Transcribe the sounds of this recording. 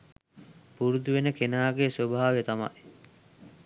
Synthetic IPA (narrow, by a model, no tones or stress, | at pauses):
puɾud̪uʋenəkenaːɡesobʱaːʋejet̪ama̰j